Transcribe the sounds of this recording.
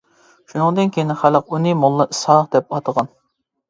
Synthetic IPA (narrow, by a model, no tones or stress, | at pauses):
ʃunɨŋd̪ɨnkʲʰejinɪχæləqunɨmolˠːɨʔɨsɑqd̪ɛp̚ɑt̪ʰəʁɑn